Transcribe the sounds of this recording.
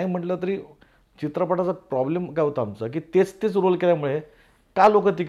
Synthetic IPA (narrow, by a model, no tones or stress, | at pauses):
ɦim̤əʈlət̪əɾiː | t͡ɕit̪ɾəpəʈat͡sapɾɔblemkaʋt̪aamt͡sək̬iːt̪et͡st̪et͡sɾolkeljamuɭe | kalokət̪̬ik